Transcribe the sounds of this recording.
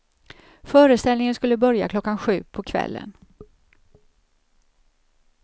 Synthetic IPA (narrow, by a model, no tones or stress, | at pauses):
fœːɾəst̪ɛlnɪŋənskɵlːəbœɾja̰kʰlɔkːanɧʉ̟ːpʰɔkʰvɛ̰lːə̰n